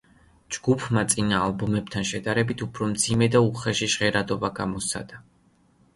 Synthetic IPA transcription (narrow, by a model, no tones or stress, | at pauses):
d͡ʒɡupʰmat̪sʼinaːlˠbɔmɛbt̪ʰanʃɛd̪aɾɛbit̪ʰupʰɾɔmd̪zimɛd̪auχɛʃiʃʁɛɾad̪ɔbaɡamɔsa̰d̪̥a